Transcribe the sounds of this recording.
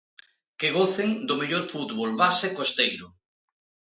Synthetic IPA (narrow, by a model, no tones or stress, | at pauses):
keɣoθeŋd̪ʊmeʎoɾfut̪βolβasekost̪ejɾʊ